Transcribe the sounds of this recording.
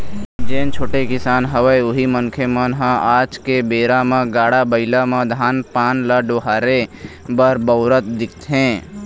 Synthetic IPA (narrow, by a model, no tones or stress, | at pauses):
d͡ʒẽːnt͡ʃʰoːʈekɪsaːnɦəwəjʊɦiməŋkʰemənɦãaːd͡ʒkebeːɾamãɡaːɽabəɪlamãd̪ʱaːnpaːnlaɖoːɦaːɾe | bəɾbəʊɾət̪d̪ɪkʰt̪ɦẽː